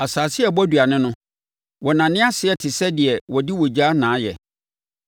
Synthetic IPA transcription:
a˨saː˨sɪ˦ɛ˦˨bɔ˦du˨a˨nɪ̃˦nʊ̃˦ | wɔ˨nã˨nɪ̃˦a˦sɪ˨ɛ˦tʰɪ˨sɛ˦dɪ˨ɛ˨wɔ˨dɪ˦wɔ˨d͡ʑa˦nãː˨˦jɛ̰˨

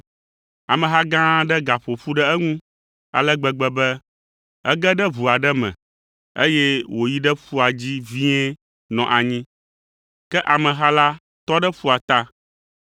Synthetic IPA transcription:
a˨mɛ̃˨ɦa˦ɡã˦ɖɛ˦ɡa˨ɸo˨ɸu˦ɖɛ˦ɛ˦ŋũ˦ | a̰˨lɛ˦ɡ͡bɛ˨ɡ͡bɛ˦bɛ˦ | ɛ̰˦ɡɛ˦ɖɛ˦βu˨a˨ɖɛ˦mɛ̰̃˨ | ḛ˦jɛ˦wo˨ji˦ɖɛ˦ɸu˦a˨d͡ʑi˦vi˦ɛ˦ | nɔ̃˨ʔa˨ɲĩ˦ | kɛ˦ʔa˨mɛ̃˨ɦa˦la˦ | t̪ɔ˦ɖɛ˦ɸu˦a˨t̪a˦

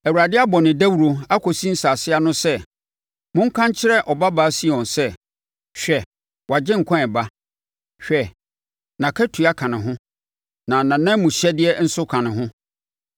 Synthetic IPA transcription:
æ˨wu˨ɾa˨dɪ˦a˦bɔ˨nɪ̃˨dæ˦wu˨ɾo˨a˦kʰɔ˨sĩ˦n̩˦saː˨sɪ˦a˦nʊ̃˦sɛ˦ | mʊ̃˦ŋ̩˦kʰã˦ɲ˦t͡ɕʰɪ˦ɾɛ˦ʔɔ˨ba˦ba˦si˦˨ɔ̃˨nsɛ˦ | ɕᶣɛ˨ | wa˨d͡ʑɪ̃˦ŋ̩˨kʰã˦ɛ˨ba˦ | ɕᶣɛ˨ | nã˨kʰɛ˦tʰu˨a˦kʰã˨nɪ̃˨ɦʊ̃˦ | nã˨nã˨nã˦mũ˨ɕɛ˦dɪ˦ɛ˦n̩˦sʊ˦kʰã˨nɪ̃˨ɦʊ̃˦

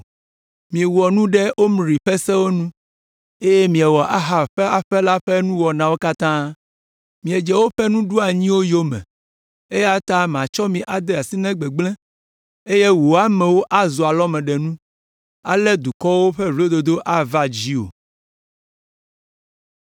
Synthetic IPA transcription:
mĩ˨wɔ˨nũ˦ɖɛ˦o˦m˨ɾi˨ɸɛ˦sɛ˦wo˦nũ˦ | e˦jɛ˦mĩ˨ɛ˨wɔ˨ʔa˦ɦa˨ɸɛ˦a˨ɸɛ˦la˦ɸɛ˦nũ˦wɔ˨nã˨wo˦ka˦t̪ã˦ | mĩ˨e˨d͡ʒɛ˨wo˦ɸɛ˦nũ˦ɖu˦a˨ɲĩ˦wo˦jo˦mɛ̰̃˨ | e˦ja˦t̪a˦mã˨t͡ʃɔ˦mĩ˨ʔa˨d̪e˦a˨si˦nɛ̃˦ɡ͡bɛ˨ɡ͡blɛ̃˦ | e˦je˦wo˨a˦mɛ̃˨wo˦ʔa˦zo˨a˨lɔ˦mɛ̃˨ɖɛ˨nũ˦ | a˦lɛ˦d̪u˨kɔ˦wo˦ɸɛ˦vo˦d̪o˨d̪o˦ʔa˦va˦d͡ʑi˦o̰˨

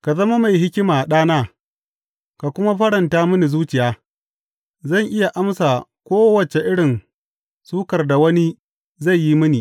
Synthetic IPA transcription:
ka˨zɐ˦ma˦ma˨jɦɪ˦kʲɪ˦maː˨ɗaː˦naː˦ | ka˨kʷʊ˦ma˦ɸɐ˦ɽɐ˨ntaː˦mɪ˦ni˨zuː˦t͡ʃɪ˨jaː˦ | zɐ˦˨ŋʔɪ˦ja˨ʔa˦msa˨kʷoː˦wɐ˨t͡ʃe˨ʔɪ˦ɽɪ˨n | suː˦kɐ˨rda˨wɐ˦ni˦ | za˦˨jːi˦mɪ˦niː˨

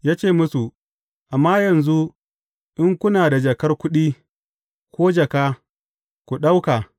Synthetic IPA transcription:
jaː˦t͡ʃeː˦˨mʊ˦su˨ | ʔa˨mːaː˦jɐ˨nzu˦ | ʔɪ˦ŋkʷʊ˦naː˨da˨d͡ʒɐ˨kɐ˦rkʷʊ˦ɗiː˦ | kʷoː˦d͡ʒɐ˨kaː˦ | kʷu˨ɗa˦wka˨

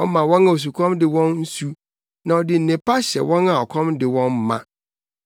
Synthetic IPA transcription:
ɔ˦mã˨wɔ̃˦nã˨o˨s̬u˨kʰɔ̃˦mdɪ˨wɔ̃˦nn̩˦su˦ | nã˨ɔ˨dɪ˨n̩˨nɪ̃˨pʰa˦ɕɛ̰˨wɔ̃˦na˨ɔ˨kʰɔ̃˦mdɪ˨wɔ̃˦m˦mã̰˦˨

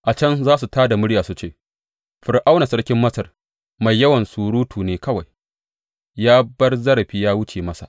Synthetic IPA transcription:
ʔa˨t͡ʃɐ˦nzaː˦su˨taː˦da˨mʊ˦ɽjaː˨su˨t͡ʃeː˦˨ | ɸɪ˨rʔa˦wna˨sɐ˦ɽkʲɪ˦mːɐ˦sɐ˨r | ma˨jːɐ˦wɐ˨nsuː˨ɾuː˦tʰuː˨neː˨kɐ˦wa˨j | jaː˦bɐ˦rzɐ˦ɾɐ˨ɸiː˦jaː˦wʊ˦t͡ʃeː˨mɐ˦sa̰˨ʔ

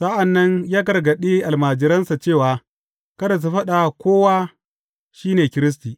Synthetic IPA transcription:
sa˦ʔɐ˨nːɐ˦ɲjaː˦ɡɐ˨ɾɡɐ˨ɗiː˦ʔa˨lmaː˨d͡ʒɪ˦ɾɐ˦nsa˨t͡ʃeː˦˨waː˨˦ | kɐ˦da˨s̬u˦ɸɐ˦ɗa˨kʷoː˦waː˦ | ʃiː˦neː˨kʲɪ˦ɾɪ˦s̬tiː˨

